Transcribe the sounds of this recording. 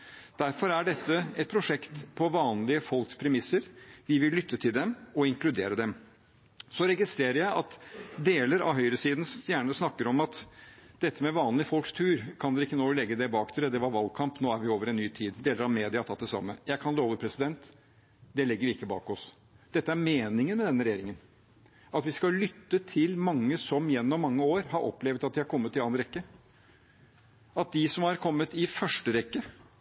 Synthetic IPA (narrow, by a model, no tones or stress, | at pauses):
d̪̥æɾfɔɾæɖɛt̪ːəɛt̪̚pʰɾʊʂɛkt̪pʰɔʋɑːnlɪəfɔlkspʰɾɛmɪsəɾʋɪʋɪlːʏt̪ʰːət̪ʰɪld̪ɛmɔɪŋklʉd̪eːɾəd̪ɛm | sɔɾɛɡɪst̪ɾeːɾəɾjæɪʔɑ̰t̪d̪eːləɾɑ̰ʋɦœʏɾəsiːd̪n̩st̪jæːɳəsnɑkːəɾɔmɑt̪d̪̥ɛt̪ʰːəmɛʋɑːnlɪfɔlkst̪ʰʉːɾkʰɑnd̪ɛɾɪkːənoːlɛɡːəd̪ɛbɑːkt̪ʰɪlɛd̪ɛʋɑɾʋɑl̚kʰɑmpnoːæɾʋɪoːʋəɾɛnːyːt̪ʰiːd̪d̪eːləɾɑmeːd̪ɪɑt̪ʰɑt̪ːd̪ɛsɑ̰mːəjæɪkʰɑnloːʋəpʰɾɛsɪd̪ɛnt̪ | d̪ɛlɛɡːəɾʋɪɪkːəbɑ̰ːkɔs | d̪̥ɛt̪ːəæɾmeːnɪŋənmɛd̪ɛnːəɾɛjeːɾɪŋən | ɑt̪ʋɪskɑlʏt̪ːət̪ʰɪlmɑŋːəsɔmjɛnːɔmːɑŋːəoːɾhɑɾʔɔ̰pːlɛːʋət̪ɑt̪̚d̪ɪhɑɾkʰɔmːət̪ːɪɑːnɾɛkːə | ɑt̪̚d̪ɪsɔmhɑɾkʰɔmːət̪ɪfœʂʈəɾɛkːə